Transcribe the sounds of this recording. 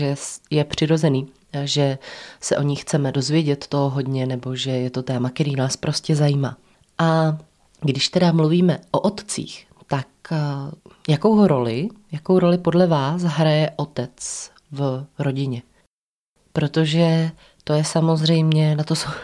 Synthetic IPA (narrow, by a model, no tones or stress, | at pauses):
ʒɛjɛpr̥ɪɾo̞zɛniː | ʒɛsɛʔo̞ɲɪxt͡sɛmɛdo̞zvjɛɟɛt̪ːoɦoɦo̞dɲɛnɛbo̞ʒɛjɛt̪o̞t̪ɛːmakɛɾiːnaːspɾʔo̞scɛzajiːmaː | ʔa | ɡdɪʃt̪ɛdamluviːmɛʔoʔot̪t͡sḭːx | t̪ak | jako̞wɦoɾo̞lɪjakowɾo̞lɪpo̞dlɛvaːs̬ɦɾajɛʔo̞t̪ɛt͡s | vɾo̞ɟɪɲɛ | pɾo̞t̪o̞ʒɛ | t̪o̞jɛsamo̞zr̝ɛjmɲɛnat̪oso